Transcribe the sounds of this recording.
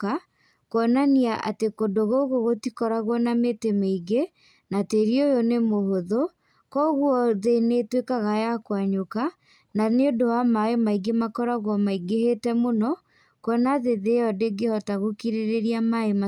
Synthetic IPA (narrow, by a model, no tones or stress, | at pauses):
ka | koɔnaniaʔa̰tekodoɣoɣoɣotikɔɾaɣwɔnametemeiɡe | nateɾiojonemohoðo | kɔɣwɔðenetwekaɣajakwaɲoka | naneodowamaemaiɡemakɔɾaɣwɔmaiɡehetɛmonɔ | kwɔnaðeðeɔdeɡehɔtaɣokiɾeɾeɾiamaema